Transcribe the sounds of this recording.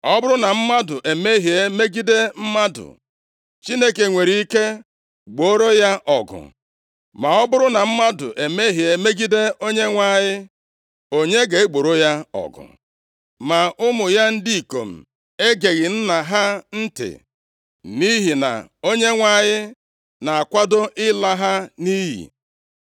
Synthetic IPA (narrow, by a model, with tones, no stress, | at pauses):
ɔ˦bʊ˦ɾʊ˦na˨m̩˦ma˦dʊ˨ʔe˨me˦ɦje˦me˦ɡi˦de˦m̩˦ma˦dʊ̰˨ | t͡ʃi˦ne˦ke˨ŋʷe˨ɾi˨i˦ke˦ | ɡ͡bo˨˦ɾo˦ja˦ʔɔ˨ɡʊ̰˨ | ma˨ɔ˦bʊ˦ɾʊ˦na˨m̩˦ma˦dʊ̰˨ʔe˨me˦ɦje˨me˦ɡi˦de˦o˦ɲe˦ŋʷa˦˨ɲɪ˦ | o˦ɲe˦ɡe˨e˦ɡ͡bo˨ɾo˦ja˦ɔ̰˨ɡʊ̰˨ | ma˨ʊ˦mʊ˨ja˦n̩˦di˦i˨ko˨m̩˨ | e˦ɡe˨ɣɪ˨n̩˦na˨ɦa˦n̩˦tɪ̰˨ | ni˦ɦi˨na̰˨o˦ɲe˦ŋʷa˨ɲɪ˦ | na˨a˨kʷa˦dʊ˦ʔɪ˦la˦ɦa˦ni˦ɦḭ˨